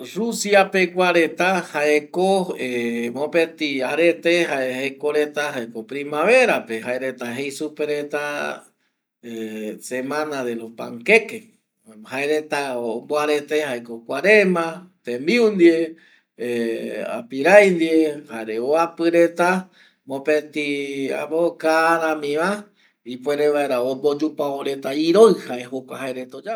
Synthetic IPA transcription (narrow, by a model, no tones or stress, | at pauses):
rusjapekʷaɾet̪ahaekoemõpet̪iaɾet̪eɦaehekoɾet̪ahaekopɾimaβeɾapehaeɾet̪aɦejsupeɾet̪a | esemãnaðelopa̰ŋkeke | haeɾet̪aomboaɾe̞t̪ehaekokʷaɾemãt̪ẽmiund̪ie | ea̰piɾajnd̪iehaeɾeoapɨɾe̞t̪a | mõpet̪ia̰βokaɾãmĩʋa | ipweɾeβaeɾaombod͡ʒupaoɾe̞t̪aiɾojhaeɦokʷahaeɾet̪aod͡ʒa